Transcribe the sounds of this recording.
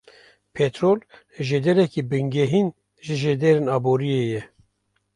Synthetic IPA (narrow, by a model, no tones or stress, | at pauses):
pʰɛt̪ɾoːl | ʒeːd̪ɛɾɛkibɨŋɡɛɦin | ʒɨʒed̪eːɾɪnɑːboɾijeːjɛ